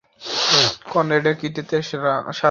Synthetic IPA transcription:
kɔneɖekit̪it̪eʃɾaʃa

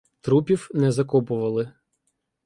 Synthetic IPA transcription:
t̪ɾupʲiwnɛzɐkɔpʊʋɐlˠɪ

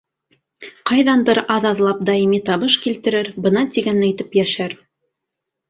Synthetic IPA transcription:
qɑjðɑnd̪ɤɾɑðɑðlˠɑp̚d̪ɑjimit̪ɑβɤʃkilt̪ɘ̆ɾɘɾbɤ̆nɑt̪iɡænæjt̪ɘpjæʃæɾ

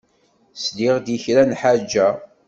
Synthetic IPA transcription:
slɪʁd̪içɾænħad͡ʒːæ

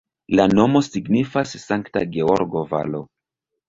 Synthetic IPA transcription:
lano̞mo̞siɡnifasːaŋkta̰ɡeoɾɡo̞va̰lo̞̰

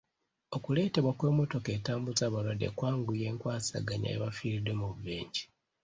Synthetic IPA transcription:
o̞kule̞ːte̞βwakwe̞ːmo̞to̞ke̞taːmbut͡saːβalwadḛkwaːŋɡuje̞ːŋkwaːsa̰ɡaɲa̰jḛβafiːɾidwemuβuβeːɲɟi̥

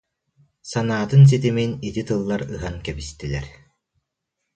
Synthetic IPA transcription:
sanaːt̪ɯns̬it̪̬iminit̪it̪ɯlˠːaɾɯɦankɛbist̪ilɛɾ

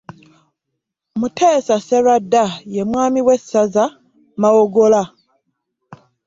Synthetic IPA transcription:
mutʰeːsaseɾadːaje̞mwaːmiwe̞saza | mawoɡola

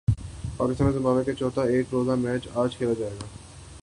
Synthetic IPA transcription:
pakist̪aneɾzĩmbabeket͡ɕot̪aeʈɾozamɛt͡ɕad͡ʑkʰelad͡ʑaːeɡa

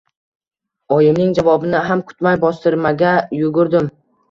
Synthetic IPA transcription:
ɒjɪmnɪŋd͡ʒavɒbɪnɪɦamkʰʊ̥t̪majbɒst̪ɪɾmaɡʲajʊɡʊɾd̪ɪm

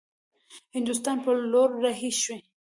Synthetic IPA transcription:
hɪnd̪ʊs̬t̪ɑnpəloɾːaɦiʃwe

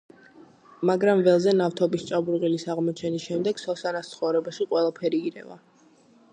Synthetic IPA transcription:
maɡɾamvɛlˠzɛnaft̪ʰɔbist͡ʃʼabuɾʁilisaʁmɔt͡ʃʰɛnisʃɛmd̪ɛɡ̥sɔsanat̪t̪sʰχɔvɾɛbaʃiqʼwɛlˠapʰɛɾiːɾɛ̰va̰

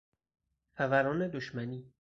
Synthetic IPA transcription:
xævæɾɒːned̪oʃmæniː

